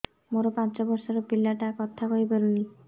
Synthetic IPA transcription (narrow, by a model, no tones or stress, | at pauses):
moɾɔpant͡ʃɔbɔɾsɔɾopilːaʈakɔt̪ʰakɔibeluni